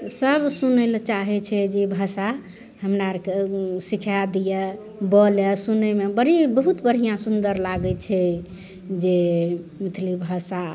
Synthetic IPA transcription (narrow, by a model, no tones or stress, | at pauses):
səbsunɛlt͡ʃaɦɛt͡ʃʰɛd͡ʒebʱəsa | həmnaɾkesikʰad̪ijɛ | bɔlɛsunemebəɾibəɦut̪bəɾɦijãsund̪əɾlaɡɛt͡ʃʰɛ | d͡ʒemət̪ʰlibʱəsa